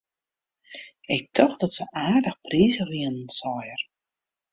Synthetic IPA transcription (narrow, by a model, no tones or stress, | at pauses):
ɪk̚tʰɔxdɔtsəʔaːrdəxpriːzəriənən̩sɔjər